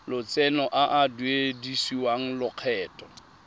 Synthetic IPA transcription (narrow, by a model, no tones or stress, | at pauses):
lʊt͡sʼɛnɔʔaʔadwedisiwaŋ̩lʊq͡χʰɛːtʼɔ